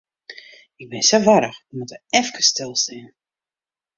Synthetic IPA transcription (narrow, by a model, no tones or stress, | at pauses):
ɪk̚bɪnsoʋaɾəxəmutəɛfkəstɪlˠsin